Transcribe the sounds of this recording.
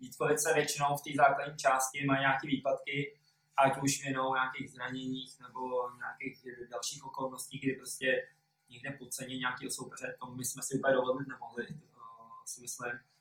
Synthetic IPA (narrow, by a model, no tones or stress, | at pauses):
vit̪kolɪt͡sɛvjɛt͡ʃɪno̞wft̪iːzaːkladɲiːt͡ʃaːscɪmajɲaːkiːviːpat̪kɪ | ʔacuʃmɪnowɲaːkeɣzɾaɲɛɲiːxnɛbo̞ɲaakɪxdalʃiːxʔo̞ko̞lnosciːɡdɪpɾoscɛ | ɲɛɡdɛpot͡sɛɲɛɲaːkiːɦoso̞wpɛzɛt̪ommɪsmɛsɪupadovollɪt̪nɛmoɦlɪ | sɪmɪslɪm